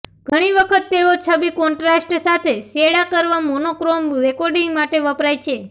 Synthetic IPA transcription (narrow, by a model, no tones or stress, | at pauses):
ɡ̥ʱəɽ̃iʋəkʰət̪ːeot͡ʃʰəbikɔɳʈɾasʈsat̪ʰeseɽakəɾʋamonokɾomɾekɔɾɖiŋɡmaʈeʋəpɾajt͡ʃʰe